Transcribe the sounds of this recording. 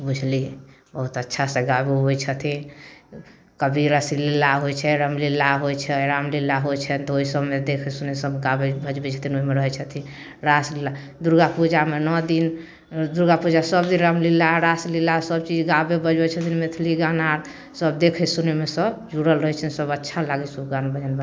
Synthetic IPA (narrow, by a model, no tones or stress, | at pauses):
bud͡ʒʱli | bəɦut̪ətːʃʰasẽɡabeɦojt͡ʃʰət̪ʰĩ | kəbʱiɾəsililːaɦojt͡ʃʰɛɾəmlilːaɦojt͡ʃʰɛɾamlilːaɦojt͡ʃʰɛnt̪ɔoisəbmed̪ekʰɛsunesəbɡabebəd͡ʒbɛt͡ʃʰə̥t̪ʰinoimeɾəɦɛt͡ʃʰət̪ʰi | ɾaslilːa | d̪uɾɡapud͡ʒamenɔd̪in | d̪uɾɡapud͡ʒasəbd̪inɾəmlilːaɾaslilːasəb̚t͡ʃid͡ʒɡabebəd͡ʒbɛt͡ʃʰət̪ʰinmet̪ʰliɡanaɾ | səbd̪ekʰɛsunemesəbd͡ʒuɽəlɾəɦɛt͡ʃʰənsəbətːʃʰalaɡɛsubɡanbəd͡ʒənbə